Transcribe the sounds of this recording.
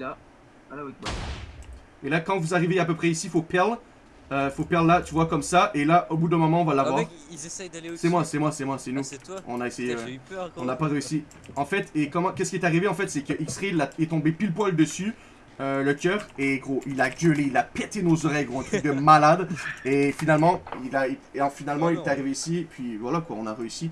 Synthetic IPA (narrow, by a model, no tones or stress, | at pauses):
i | elakɑ̃vuzaʁiveapøpχɛisifopɛʁl | øfopɛʁlːat̪yvwakɔmsaʔelaʔobud̪ɛ̃mɔmɑ̃ɔ̃valavwaːʁ | sɛmwasɛmwasɛmwasɛnuɔ̰̃naesejeɔ̃napaʁeysi | ɑ̃fɛt̪ekɔmɑ̃kʲɛskʲiɛt̪aʁiveɑ̃fɛt̪sɛkʲəʔiksχilaɛt̪ɔ̃bepilpwald̪əsy | øləkʲœːʁeɡʁoʔilaɡʲəleilapɛt̪enozɔʁɛjɡʁoɛ̃t̪yk̚d̪əmalad̪efinalmɑ̃ilaiɑ̃finalmɑ̃ilɛt̪aʁiveisipɥivwalakwaɔ̃naʁeysi